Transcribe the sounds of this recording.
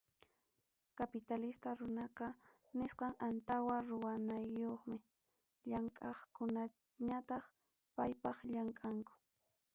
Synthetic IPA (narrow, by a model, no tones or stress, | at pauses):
kapɪt̪alɪst̪aɾʊnɑqɑ | nɪsqɑŋant̪awaɾʊwanajːoχmɪ | ʎaŋkʼɑχkʊna | ɲat̪ɑχ | pajpɑχʎaŋkʼaŋkʊ̥